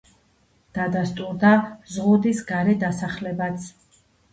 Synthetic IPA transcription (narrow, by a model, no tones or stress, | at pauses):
d̪̥ad̪ast̪ʼuɾd̪azʁud̪isɡaɾɛd̪asaχlɛbat̪sʰ